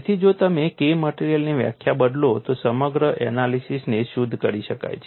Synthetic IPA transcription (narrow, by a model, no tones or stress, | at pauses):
t̪ʰid͡ʒot̪əmekeməʈiɾijəlniʋja̰kʰjabəd̪lot̪osəməɡɾəʔɛ̰nalisisneʃud̪ʱkəɾiʃəka̰jt͡ʃʰe